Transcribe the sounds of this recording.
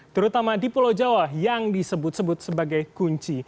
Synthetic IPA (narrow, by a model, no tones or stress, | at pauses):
t̪əɾut̪amadipulod͡ʒawajaŋdisəbʊt̪̚səbʊt̪̚səbaɡajkuɲt͡ʃi